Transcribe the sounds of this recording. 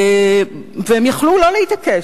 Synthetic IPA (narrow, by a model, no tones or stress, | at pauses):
vehemjaχlulo̞lehit̪ake